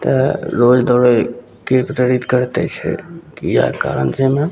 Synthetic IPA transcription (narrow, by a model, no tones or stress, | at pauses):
t̪əɾoːd͡ʒd̪ɔɾe | kepɾeɾit̪kəɾt̪ḛt͡ʃʰɛ̰kija̰ka̰ɾə̰nsemẽ